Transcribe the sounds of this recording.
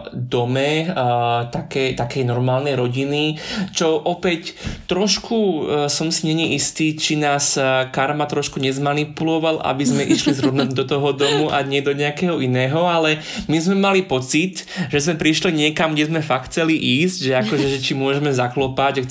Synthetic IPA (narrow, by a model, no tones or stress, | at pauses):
d̪ɔmɛ | t̪akɛt̪akɛjnɔɾmaːlnɛjɾɔɟinit͡ʃɔʔɔpɛct̪ːɾɔʃkusɔmsiɲɛɲɛʔist̪iːt͡ʃinaːskaɾmat̪ɾɔʃkuɲɛzmanipulɔʋala̰bizmɛʔiʃlizɾɔʋnamd̪ɔt̪ɔɦɔd̪ɔmuʔaɲɛd̪ɔɲɛakɛɦɔinɛːɦɔalɛ | mizmɛmalipɔt͡sit̪ʒɛzmɛpɾiʃliɲɪɛkamɡɟɛzmɛfakxt͡sɛliʔiːzɟʒɛakɔʒɛʒɛt͡ʃimʊɔʒɛmɛzaklɔpaɟa